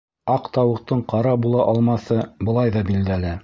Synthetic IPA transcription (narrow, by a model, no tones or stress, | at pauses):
ɑqt̪ɑwɤ̆q̚t̪ɤɴqɑɾɑbulˠɑʔɑlˠmɑθɤbɤ̆lˠɑjðɑbild̪ælɘ